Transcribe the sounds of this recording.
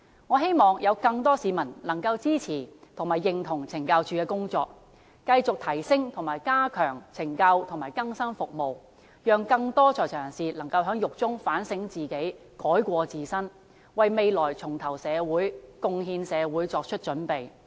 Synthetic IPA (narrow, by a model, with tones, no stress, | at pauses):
ŋɔː˨˧ɦe˥jmɔː˨ŋjɐ˨˧wkɐ˧ŋt̪ɔː˥siː˨mɐ˨˩nlɐ˨˩ŋkɐ˧wt͡siː˥t͡sʰiː˨˩t̪ʰʊ˨˩ŋmaː˨˩jːɪ˨ŋt̪ʰʊ˨˩ŋt͡sʰɪ˨˩ŋkaː˧wt͡ʃyː˨˧kɛː˧kʊ˥ŋt͡sɔ̰ː˧k̚ | kɐ˧jt͡sʊ˨k̚t̪ʰɐ˨˩jsɪ˥ŋt̪ʰʊ˨˩ŋmaː˨˩jkaː˥kʰœː˨˩ŋt͡sʰɪ˨˩ŋkɐ˧wt̪ʰʊ˨˩maː˨˩jkɐ˥ŋsɐ˥nfʊ˨k̚mo˨˧w | jœː˨ŋkɐ˧ŋt̪ɔː˥t͡ʃʰɔː˨jt͡ʃʰœː˨˩ŋsiː˨˩lɐ˨˩ŋkɐ˧wɦœː˨˥ŋjʊ˨k̚t͡sʊ˥ŋfaː˨˥nsɪ˨˥ŋt͡siː˨ke˨˥j | kɔː˨˥jkʷɔː˧t͡siː˨˧sɐ˥n | wɐ˨jme˨jlɔː˨˩jt͡sʰʊ˨˩ŋt̪ʰɐ˨˩wsɛː˨˧wuː˨˥jkʊ˧ŋɦiː˧nsɛː˨˧wuː˨˥jt͡sɔː˧k̚t͡ʃʰɵ˥t̚t͡ʃɵ˨˥npe˨j